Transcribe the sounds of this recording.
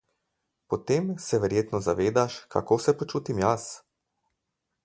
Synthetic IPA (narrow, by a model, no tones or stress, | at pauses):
pɔt̪emsɛʋɛɾjeːt̪nɔzaʋeːd̪aʃkʰa̰koːsɛpɔt͡ʃuːt̪imjas